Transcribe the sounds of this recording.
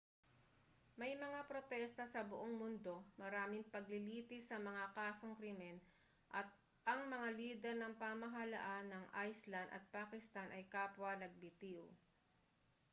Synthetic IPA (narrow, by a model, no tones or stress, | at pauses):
mɐjmɐŋapɾo̞t̪ɛst̪ɐsɐbʊʔoŋmʊnd̪o̞mɐɾaːmɪŋpɐɡ̚lɪliːt̪ɪsɐmɐŋakaːso̞ŋkɾimɛn | ʔɐt̪̚ | ʔɐŋmɐŋaliːd̪ɛɾnɐŋpaːmɐɦɐlɐ̰ʔanːɐŋʔajslɐnd̪ɐ̰t̪̚paːkɪst̪anʔɐjkaːpwɐnɐɡ̚bɪt̪iw